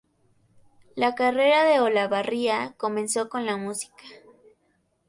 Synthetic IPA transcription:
lakare̞ɾaðe̞olaβariako̞mẽ̞nso̞ko̞nlamusi̥kḁ

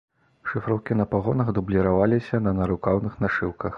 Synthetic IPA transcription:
ʂɨfɾɐwkʲinɐpaɣɔnɐɣd̪ublʲiɾavalʲisʲɐnɐnɐɾukawnɨxnaʂɨwkɐx

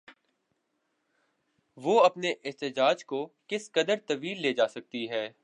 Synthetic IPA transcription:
ʋoːɐpneʔɪɦt̪ɪd͡ʒaːd͡ʒkokɪskɐd̪əɾt̪ɐʋiːlːeːd͡ʒaːsɐk̚t̪iɦɛː

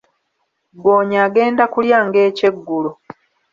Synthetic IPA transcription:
ɡoːɲaːɡe̞ːndakuljaŋɡe̞ːce̞ɡːulo

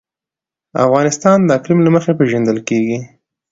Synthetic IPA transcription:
a̰fɣɑnɪst̪ɑnd̪əaklimlaməxepeʒand̪əlkeɡi

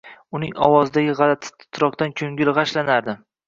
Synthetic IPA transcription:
ʊnɪ̰ŋɒ̰wɒzd̪aɡʲɪʁɑlat̪ʰɪ̥t̪ʰʊ̥t̪ʰɾɒq̚t̪ankʲʰɵŋɡʲɪlʁɑʃlanaɾd̪ɪ

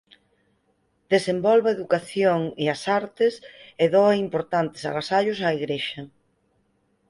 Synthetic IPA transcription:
d̪̥esembɔlβaeðukaθjoŋeɐsaɾt̪ɪseðoɐimpoɾt̪ant̪e̥sa̰ɣasaʎʊsaːiɣɾeʃɐ

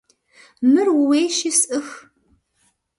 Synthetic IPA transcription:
mɨrwʊweːʃisʔɨx

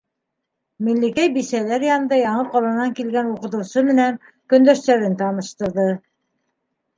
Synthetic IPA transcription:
milːikæjbisælæɾjɑnɤ̆nd̪ɑjɑɴɤqɑlˠɑnɑŋkilɡænuqɤ̆t̪ɤ̆wsɤmɘ̆næŋ | kɵ̆nd̪æʃt̪æɾɘnt̪ɑnɤ̆ʃt̪ɤ̆ɾðɤ

